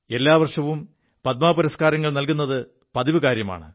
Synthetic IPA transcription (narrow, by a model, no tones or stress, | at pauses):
e̞lːaːʋɐrʂɐʋum | pɐt̪̚maːpuɾɐskaːɾɐŋːɐɭnɐlkunːɐðɨ | pɐðiʋɨkaːɾjɐma̰ːɳɨ̰